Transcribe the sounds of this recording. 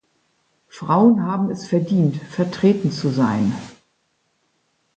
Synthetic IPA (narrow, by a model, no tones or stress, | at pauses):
fʁ̥aʊənɦaːbm̩ɛsfɛɐdiːntfɛɐtʁ̥eːtn̩t͡suzaɪn